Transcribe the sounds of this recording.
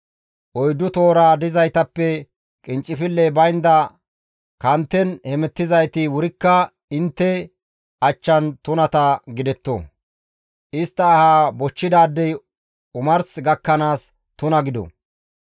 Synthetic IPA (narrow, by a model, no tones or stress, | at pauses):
ʔɔjd̪ʊt̪oːɾaːd̪ɪzɐjt̪ɐpːɛ | kʼɪnt͡ʃʼːɪfɪlːɛbɐjnd̪ɐ | kɐnt̪ːɛnhɛmɛt̪ːɪzɐjt̪ɪwʊɾɪkːɐ | ɪnt̪ːɛ | ɐt͡ʃːɐnt̪ʊnɐt̪ɐɡɪd̪ɛt̪ːo̰ | ʔɪst̪ːɐːhaːbɔt͡ʃːɪd̪aːd̪ːɛj | ʊmɐɾsɡɐkːɐnaːs | t̪ʊnɐɡɪd̪ɔ̰